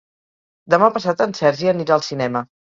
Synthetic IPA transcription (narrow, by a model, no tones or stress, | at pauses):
d̪əmapəs̬at̪ənsɛɾʒiəniɾalˠsinɛmə